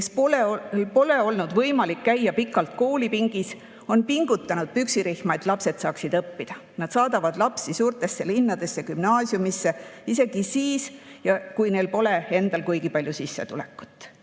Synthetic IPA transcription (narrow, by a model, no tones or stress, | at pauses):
soepo̞le̞o̞lnud̪̥vɤjmɑlikːæjːɑpikːˑɑlt̪ko̞ːlipiŋɡ̥is | o̞npiŋɡ̥ut̪ˑːɑnud̪̥̚pyksiɾihmɑe̞t̪ˑlɑpse̞d̪sɑːksid̪̥ɤpːid̪̥ɑ | nɑd̪̥sɑːd̪̥ɑvɑd̪̥lɑpsisuːrt̪ˑe̞sːe̞linːɑd̪̥e̞sːekymnɑːsjumisːe̞ise̞ɡ̥isiːsjɑkujne̞lpo̞le̞e̞nd̪̥ɑlkujɡ̥ipɑlʲjusisːe̞t̪ule̞kːˑu̥t̪ːˑ